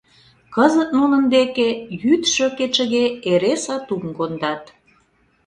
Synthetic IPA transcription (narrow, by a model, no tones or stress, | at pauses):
kəzət̪̚nunə̆nd̪ekejyt̪ʃøket͡ʃə̆ɣeeɾesɑt̪umkond̪ɑt̪